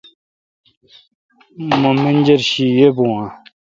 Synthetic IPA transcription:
məməɲd͡ʑərɕijøʔpowã

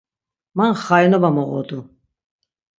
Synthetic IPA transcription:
manχajnɔbamɔʁɔ̰d̪u

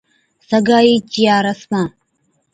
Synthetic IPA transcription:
sɐɡaːjit͡ʃʼijaːɾɐsma

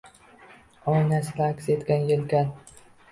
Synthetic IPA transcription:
ɒjnaslakʲset̪kʲanjelkʲan

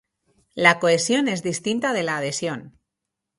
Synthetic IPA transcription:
lako̞e̞sjo̞ne̞zðist̪int̪aðe̞laːð̞e̞sjo̞n

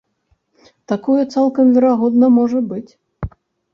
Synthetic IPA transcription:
t̪akɔjut̪salˠkɐmvʲɛɾaɣɔd̪nɐmɔʐɐbɨt͡sʲ

